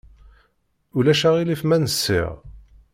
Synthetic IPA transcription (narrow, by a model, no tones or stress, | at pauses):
ulæʃaʁilifmænəsːḭʁ